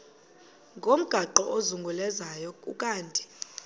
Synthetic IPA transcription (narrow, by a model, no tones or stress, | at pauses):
ŋɡʱom̩ɡ̥ʱaǃɔʔozuŋɡʱulɛzajɔkʼṵkʼaːntʼi̥